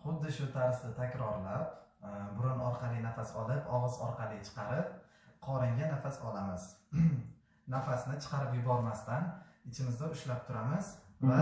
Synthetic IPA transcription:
χʊd̪ːɪʃʊt̪ʰaɾsd̪ɪt̪ʰakʲɾɒɾlapbʊɾʊnɒɾqʰɑlˠɪnafasɒlˠɪpɒʁɨzɒɾqʰɑlɪt͡ʃʰɨ̥qʰɑɾɪp̚ | qʰɒɾɪŋɡʲanafasɒlamɪz̥ | nafasnɪt͡ʃʰɨ̥qʰɑɾɪpjʊbɒɾmast̪anɪt͡ʃʰɪmɪzd̪aʊʃlap̚t̪ʰʊɾamɪzva

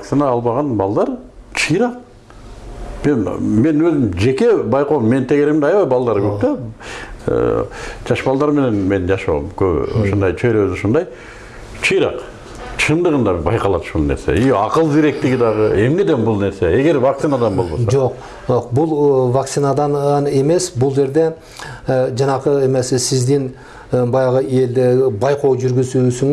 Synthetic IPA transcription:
ak̪sinaːlˠβɑʁɑnbɑlˠd̪ɑɾt͡ʃʰɯjɾɑq | me̞nme̞nwøzɪmd͡ʒe̞kʲe̞bɑjqomːe̞nt̪ʰeɡeɾemd̪ɑjɑβɑjbɑlˠd̪ɑɾkʰøp̚t̪ḛ | d͡ʒɑʃbɑlˠd̪ɑɾme̞ne̞nme̞nd͡ʒɑʃo̰mkʰøpo̰ʃond̪ɑjt͡ʃʰejɾøzoʃond̪ɑj | t͡ʃʰɯjɾɑq | t͡ʃʰɯnd̪əʁənd̪ɑbɪbɑjqɑlˠɑt̪ʊ̥ʃulˠne̞ɾsḛiɑqəlˠd̪iɾe̞k̚t̪ɪɡʲid̪ɑʁəe̞mne̞d̪e̞nbʊlˠne̞ɾse̞e̞ɡe̞ɾvak̚t̪sinad̪ɑnbo̞lˠbosd͡ʒo̞q | oqbʊlˠvakt̪sinad̪ɑnne̞me̞sbʊlˠd͡ʒe̞ɾd̪e̞ | d͡ʒɑnɑqəemesɪsɪzd̪ɪn | bɑjɑʁəe̞ld̪ɪbɑjqo̞wʒʏɾɡʲɪzusɪŋ

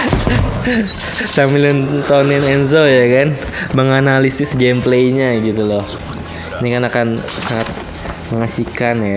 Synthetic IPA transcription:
samilɔnt̪ɔnɪnɛnzojakan | məŋanalisɪsɡemplejɲaɡit̪ulɔh | inikanakansaŋat̪̚ | məŋasikanja

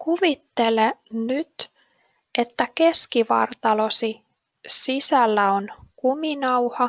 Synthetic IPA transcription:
kuʋit̪ːe̞lenyt̪ | ʔe̞t̪ːæke̞skiʋɑ̰rt̪ɑlo̞si | sisælːæo̞nkuminɑwhɑ

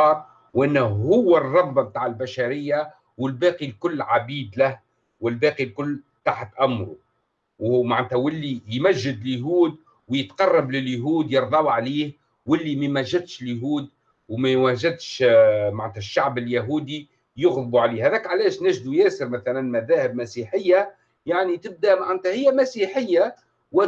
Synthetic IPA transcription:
ɑːɾˤ | wʔɪnːhʊwːərˤːɑbːb̚t̪aːʕɪlbaʃaɾɪjːa | wɪlbæːqilkʊlːʕabiːd̪læh | wɪlbæːqilkʊlː | t̪aħt̪ʔamːɾu | whmaʕnæt̪hæwɪlːijmæʒːɪd̪ljɦuːd̪̚ | wjɪt̪qɑrˤːɑblɪljɦuːd̪jɑɾˤðˤɑwʕaliːh | wɪlːimæmæʒːad̪ʃɪljɦuːd̪ | wmæwæʒɪd̪ʃmaʕnt̪hæʃːaʕbɪljaɦuːd̪i | jʊɣðbuʕaliːhhæðɛːkʕalɛːʃnæːʒd̪ujɛːsəɾmæθælænmæðæːhɪbmæsiħɪjːa | jaʕnit̪ɪb̚d̪æmaʕant̪hæhɪjːæmæsiħɪjːa | wɪ

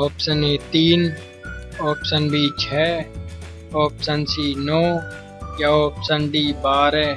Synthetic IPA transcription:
ɔːpsəneːt̪iːn | ɔːpsənbʱiːt͡ʃʰɛː | ɔːpsənsiːnoː | jaoːpsənɖiːbaːɾɦɛː

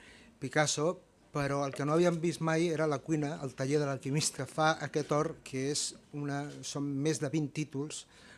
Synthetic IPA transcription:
pikaso | pəɾɔəlˠkənoəβ̞iəmbist̪majeɾələkwinəəlˠt̪əʎeðələlˠkimist̪əfaʔəkɛt̪ɔɾkʰəezunəsomːezðəβint̪it̪ulˠs

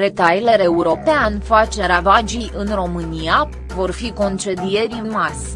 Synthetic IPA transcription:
ɾet̪ajle̞ɾe̞uɾo̞peanfat͡ʃe̞ɾavad͡ʒijʔɨnro̞mɨnija | vo̞rfiko̞nt͡ʃe̞d̪ije̞ɾinmasʲ

